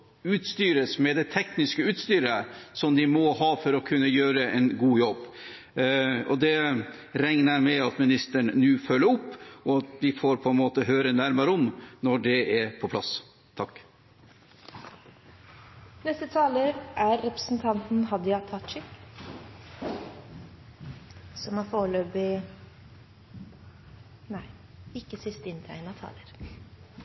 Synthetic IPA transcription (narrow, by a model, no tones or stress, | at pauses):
ʉːt̪st̪yːɾəsmɛd̪ɛt̪ʰɛknɪskəʉːt̪st̪yːɾəsɔmd̪ɪmɔɦɑːfɔɾɔkʰʉnːəjøːɾəʔɛnɡuːjɔb | ɔd̪ɛ | ɾɛŋnəɾmɛɑt̪mɪnɪst̪əɳənʉːfœlːəɾʊpːɔɑt̪ʋɪfoːɾpʰɔɛnmoːt̪əɦøːɾənæɾmɑɾɔmnɔɖɛɛɾpʰɔpʰlɑ̰s | t̪ʰɑkː | nɛst̪ət̪ʰɑːləɾʔæɾːɛpɾə̥sn̩t̪ʰɑnt̪n̩ɦɑd̪ɪɑt̪ʰɑt͡ʃɪk | sɔmhɑɾfoːɭøːpɪ | næɪ | ɪkːəsɪst̪əɪnt̪ʰæ̰ɪənɑt̪ʰɑ̰ːləɾ